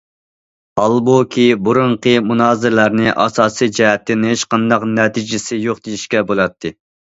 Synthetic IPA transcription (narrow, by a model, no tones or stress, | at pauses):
ɑlˠbokʲʰibuɾuɴqʰəmunɑːzɨɾlæɾnɪʔɑ̰sɑːsijd͡ʒɛɦɛt̪ʰːɪnɪeʃqɑnd̪ɑqnɛt̪ʰid͡ʒɪsɪjoqd̪ijiʃkʲɛbolˠɑt̪ʰːɨ